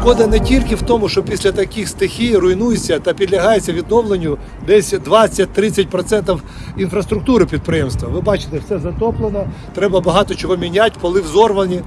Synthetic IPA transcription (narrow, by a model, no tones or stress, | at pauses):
kɔd̪ɐnɛtʲilʲkɪwt̪ɔmʊʃt͡ʃɔpʲisʲlʲɐt̪ɐkʲixst̪ɪxʲijrʊjnujet͡sʲːɐt̪ɐpʲid̪lʲɐɦɑjet͡sʲːɐʋʲid̪̚nɔwlˠenʲːʊ | d̪ɛsʲd̪ʋɑt͡sʲːɐt̚ʲt̪ɾɪt͡sʲɐtʲpɾɔt̪sɛnt̪ɐw | infɾɐst̪ɾʊk̚t̪uɾɪpʲid̪̚pɾɪjɛmst̪ʋɐʋɪbɑt͡ʃɪ̥t̪ɛwsɛzɐt̪ɔplˠenɔ | t̪ɾɛbɐbɐɦɑt̪ɔt͡ʃɔɦɔmʲinʲat̚ʲpɔlˠɪwzɔrʋɐnʲi